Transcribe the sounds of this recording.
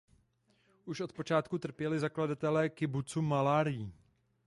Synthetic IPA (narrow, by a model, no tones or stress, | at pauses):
ʔuʃʔo̞t̪̚po̞t͡ʃaːt̪kut̪r̩pjɛlɪzakladat̪ɛlɛːkɪbut͡sumalaːɾɪjiː